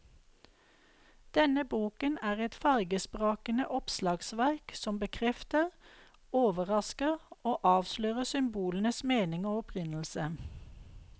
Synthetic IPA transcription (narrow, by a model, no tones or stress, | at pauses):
d̪̥ɛnəbuːkənæːʁɛt̪fɑʁɡəspʁoːkənəʔɔpslɑːɡsʋæʁksɔmbəkʰʁɛft̪əʁ | oːʋəʁɑskəʁoːʔɑːʋsløːʁəsʏmbuːlən̩əsmeːnɪŋoːɔpʰʁɪnl̩sə